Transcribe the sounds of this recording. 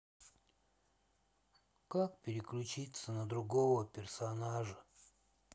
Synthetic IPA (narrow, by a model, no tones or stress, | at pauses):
kakpʲɪɾʲɪklʲʉt͡ɕit̪sənəd̪ɾʊɡovəpʲɪrsɐnaʐə